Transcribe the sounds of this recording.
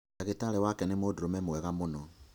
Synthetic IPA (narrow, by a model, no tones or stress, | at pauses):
ɛɣetalɛwakɛnɪmodoɾomɛmoɛɣamonɔ